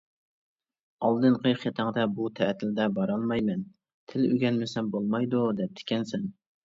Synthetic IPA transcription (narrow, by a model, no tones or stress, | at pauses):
ɑlˠd̪ɨnqʰəjχet̪ʰɑŋd̪ɛbut̪ʰɛt̪ʰːɪld̪ɛbɑɾɑlˠmɑjmɛn | t̪ʰɪlyɡʲɛnmɪsɛmbolˠmɑjd̪ud̪ɛp̚t̪ʰɪ̥kʲʰɛnsɛn